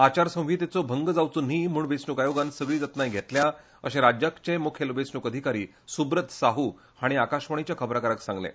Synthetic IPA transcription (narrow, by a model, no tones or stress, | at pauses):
at͡ɕaɾsə̃w̃ʋiːt̪et͡sobʱəŋɡəd͡zawt͡sunɦiːm̤uːɳʋesnukajoɡansəɡɭiːd͡zat̪najɡʱet̪lja | ə̰ɕẽɾad͡ʑjakt͡ɕemukʰjelʋesnukəd̪ʱikaɾiː | subɾət̪saɦu | haɽ̃iakaɕʋəɳ̃it͡ɕjakʰəbɾakəɾaksãŋɡlḛ̃